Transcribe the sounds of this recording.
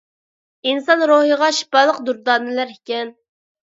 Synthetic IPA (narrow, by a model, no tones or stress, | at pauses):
insɑnɾoɦəʁɑʃi̥pɑlˠəqd̪uɾd̪ɑːnɪlæɾikʲɛn